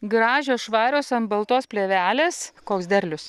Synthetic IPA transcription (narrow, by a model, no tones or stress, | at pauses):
ɡɾɑːʒʲoːsʃʋɑːɾʲoːsɐnbɐlˠt̪oːspʲlʲeːʋʲæːlʲeːskoːksd̪ʲɛɾʲlʲʊs